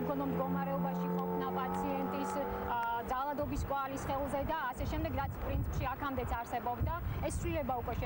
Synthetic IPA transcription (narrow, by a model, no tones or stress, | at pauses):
kʰɔnɔmd̪ɡɔmaɾɛɔbaʃiχɔpʰnapʼat̪sʰiɛnt̪ʼis | d̪zalˠad̪ɔbiskʼwalisχɛlˠzɛd̪aːsɛʃɛmd̪ɛɡɾat̪sʰpʼɾint̪sʰipʃiakʰamd̪ɛt̪sʰaɾsɛbɔbd̪aɛsːvlilɛbaukʼwɛʃɛ